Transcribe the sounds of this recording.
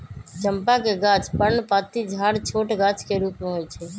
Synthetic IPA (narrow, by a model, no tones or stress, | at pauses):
t͡ʃəmpakeɡaːt͡ʃpənpaːt̪id͡ʒʱaːɽt͡ʃʰoːʈɡaːt͡ʃkeɾuːpmeɦojt͡ʃʰeː